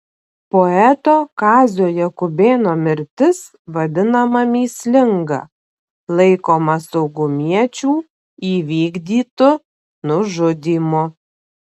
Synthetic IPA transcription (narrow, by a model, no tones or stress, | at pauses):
poɛt̪oːkɑːzʲoːjɛkʊbʲeːnoːmʲɪɾʲt̪ʲɪs | ʋɐd̪ʲɪnɐmɐmʲiːsʲlʲɪŋɡɐ̰ | lˠɐɪkoːmɐsɒʊɡʊmʲiɛt͡ʃʲuː | iːʋʲiːɡd̪ʲiːt̪ʊ | nʊʒʊd̪ʲiːmo